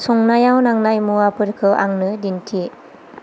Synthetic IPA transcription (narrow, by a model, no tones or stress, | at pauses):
sɔŋnajawnaŋnajmuapɯɾkʰɯʔa̰ŋnɯdintʰi